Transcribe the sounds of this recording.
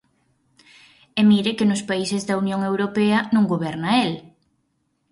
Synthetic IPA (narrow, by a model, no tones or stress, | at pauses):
emiɾɪkɪnʊspaisɪzðɐunjoŋewɾopɛɐnũŋɡoβɛɾnɐel